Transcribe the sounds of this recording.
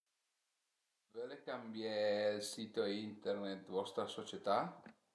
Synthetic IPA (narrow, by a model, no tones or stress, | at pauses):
velekambjelsiːt̪oint̪ernet̪̚vɔst̪ɾasot͡ʃet̪a